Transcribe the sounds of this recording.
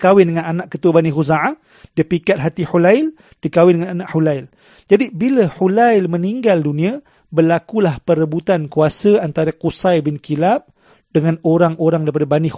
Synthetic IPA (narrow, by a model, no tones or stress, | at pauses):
kawɪndəŋãnanãʔkət̪uabanĩɦuzaʕa | dipikat̪̚ɦat̪ihulaɪl | d̥ikawɪndəŋananãʔhulajl | d͡ʒadibiləhulajlmə̃niŋɡaldunĩã | bəlakulahpəɾəbut̪ankuasəant̪aɾaqusajbɪnkilap̚ | d̥əŋãnoɾaŋoɾaŋdaɾipadabani